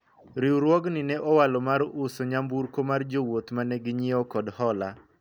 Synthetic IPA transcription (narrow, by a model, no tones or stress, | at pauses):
ɾiwɾwɔɡnɪnɛʔɔwalɔmaɾʊsoɲambuɾkomard͡ʒowot̪manɛɡɪɲiɔkɔdhɔla